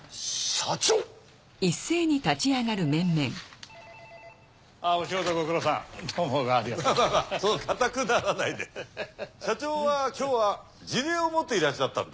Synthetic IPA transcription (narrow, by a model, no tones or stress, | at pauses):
ɕat͡ɕoː | isːe̞ːɲ̟it̪at͡ɕiaɡaɾɯ̟mẽ̞mːẽ̞ŋ | aoɕiɡot̪oɡokɯ̟ɾosã̰ŋt̪omoːɡaːɾʲimaamamasonokʰat̪akɯ̟naɾanaid̪e | ɕat͡ɕoːβakʲo̞ːβa | d͡ʑiɾe̞ːomot̪ːe̞iɾaɕat̪ːã̰nd̪e